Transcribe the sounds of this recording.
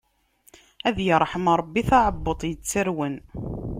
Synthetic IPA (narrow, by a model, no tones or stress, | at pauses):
æðjəɾˤħəmɾˤɑbːiθɑʕəbːot̪ˤjət͡sːəɾwən